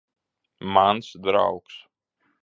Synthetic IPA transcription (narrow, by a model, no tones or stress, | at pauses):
mansd̪ɾa̰wks